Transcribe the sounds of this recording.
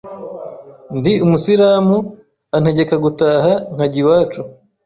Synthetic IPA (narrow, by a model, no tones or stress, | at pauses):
ndiumusiɾaːmu | anhe̞ɟe̞kaɡutaːhaŋ̥haɟiwaːt͡ʃu